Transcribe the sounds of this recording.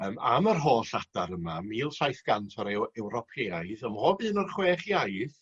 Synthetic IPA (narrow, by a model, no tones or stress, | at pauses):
əːmamərɦoːɬadaɾəmamiːlˠɬajθɡ̥antʰɔɾewɛwɾɔpʰejajðɔmhɔːbɨːnɔrχweːχjajθ